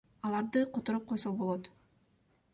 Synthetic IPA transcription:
ɑlˠɑɾd̪ɯqʰot̪oɾup̚qʰo̞jsobolˠot̪

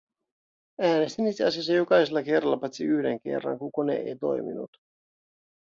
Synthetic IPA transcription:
æːne̞st̪init̪seɑsiɑs̬ːɑjokɑjselːɑke̞rːɑlːɑpɑt̪siyhde̞ŋke̞̰rːɑ̰ŋkukonḛḛjt̪o̞̰jmḭnṵt̪

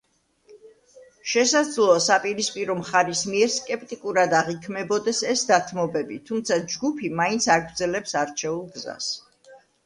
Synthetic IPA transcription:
ʃɛsad̪zlˠɔːsapʼiɾispʼiɾɔmχaɾismiɛɾskʼɛp̚ʰt̪ʼikʼuɾad̪aʁikʰmɛbɔd̪ɛsɛsd̪at̪ʰmɔbɛbit̪ʰumt̪sʰad͡ʒɡupʰimaint̪sʰaɡɾd̪zɛlɛpsaɾt͡ʃʰɛulˠɡza̰s

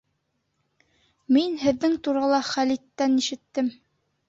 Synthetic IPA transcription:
minhɘ̆ðːɘŋt̪uɾɑlˠɑχælit̪ːæniʃɘ̆t̪ːɘm

